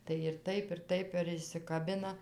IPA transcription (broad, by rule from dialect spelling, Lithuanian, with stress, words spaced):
tɐɪ ɪr ˈtɐɪp ɪr ˈtɐɪp ɪr ɪʃʲsʲɪkɐˈbʲɪnɐ